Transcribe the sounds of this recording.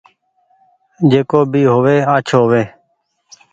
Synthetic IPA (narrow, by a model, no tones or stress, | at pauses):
d͡ʒeːkoːbiːɦoːʋeːaːt͡ʃʰoːʋeː